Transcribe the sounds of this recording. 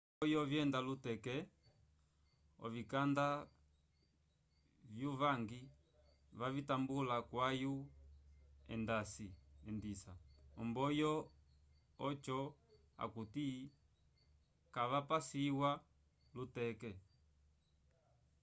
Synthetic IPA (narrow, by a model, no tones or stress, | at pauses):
bɔjɔvjɛndalutɛkɛ | ɔ̰vikanda | vjuvaŋɡi | vavitambulakwaju | ɛ̰ndasiɛndisa̰ɔmbɔjɔ | ɔt͡ʃɔ | a̰kuti | kavapasiwa | lutɛkɛ